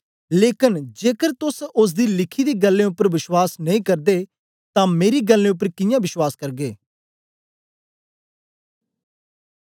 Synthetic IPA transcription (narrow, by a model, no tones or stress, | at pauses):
leːkənd͡ʒeːkəɾt̪ʊsʊs̬d̪iːlɪkʰid̪eːɡɐlːẽːʊpːəɾʋɪʃwaːsnɐĩːkɐɾd̪e | t̪ãːmeːɾiɡɐlːẽʊp̬ːəɾkɪjãːbɪʃwaːskɐɾɡeː